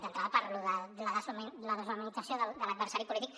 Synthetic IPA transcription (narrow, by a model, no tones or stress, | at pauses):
d̪ənt̪ɾaðəpaɾluðələðəzləðəzamənid͡zasjoðəd̪əlɐd̪bəɾsaɾipulit̪ik